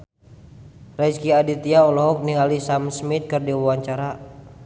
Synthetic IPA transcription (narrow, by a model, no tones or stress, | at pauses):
rɛskiadit̪iaɔlɔɦɔk̚niŋalisamsmit̪̚kɨrdiwawaɲt͡ʃaɾa